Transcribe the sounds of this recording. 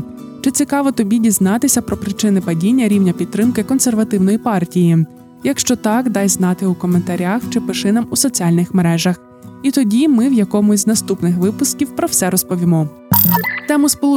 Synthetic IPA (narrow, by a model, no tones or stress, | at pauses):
t͡ʃɪt͡sʲikɑʋɔt̪ɔbʲidʲiznɑt̪ɪsʲɐpɾɔpɾɪt͡ʃɪnɪpɐdʲinʲːɐɾʲiwnʲɐpʲid̪̚t̪ɾɪmkɪkɔnserʋɐt̪ɪwnɔjipɑrtʲiji | jɐkʃt͡ʃɔt̪ɑkd̪ɑjznɑt̪ɪukɔment̪ɐɾʲaxt͡ʃɪpɪʃɪnɐmusɔt͡sʲiɑlʲnɪxmeɾɛʒɐx | it̪ɔdʲimɪwjɐkɔmʊzʲznɐst̪upnɪxʋɪpʊskʲiwpɾɔwsɛɾɔspɔʋʲimɔ | t̪ɛmʊspɔlˠu